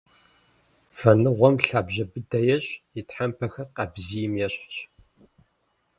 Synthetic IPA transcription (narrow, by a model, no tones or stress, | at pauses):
fɐnɨʁʷɔmɬaːbʑɐbɨdɐjɛɕʼjitħampʰɐxɐrqɐbzijɪmjɛɕʼħɕ